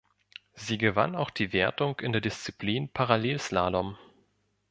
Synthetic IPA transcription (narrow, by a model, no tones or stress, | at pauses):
ziːɡəva̰naʊxd̥iːveːɐtʊŋkɪndeːɐdɪst͡sipʰliːnpʰaʁaleːlslaːdɔm